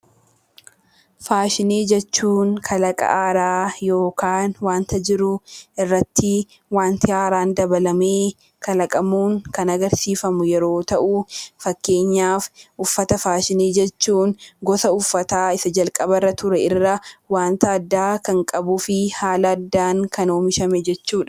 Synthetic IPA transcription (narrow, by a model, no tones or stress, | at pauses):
faːʃɪneːd͡ʒɛt͡ʃːuːŋkʰɐlɐkʼɐ̰ʔaːɾaːjo̞ːkaːnwaːnt̪ʰɐd͡ʒɪɾʊʔɪrːɐt̪ːɪ | waːnt̪ʰɪaːɾaːnd̪ɐbɐlɐmeː | kʰɐlɐkʼɐmuːŋkɐnɐɡɐɾsiːfɐmʊjɛɾo̞ːt̪ɐʔufɐkːe̞ːɲːaːfʔʊfːɐt̪ɐfaːʃɪniːd͡ʒɛt͡ʃːuːŋɡɔsɐʊfːɐt̪aːɪsɐd͡ʒɐlkʼɐbɐrːɐt̪ʊɾɛɪrːɐwaːnt̪ɐːd̪ːaːkɐŋkʼɐbʊfɪhaːlɐɐd̪ːaːŋkʰɐnoːmɪʃɐmɛd͡ʒɛt͡ʃːuːᶑɐ̥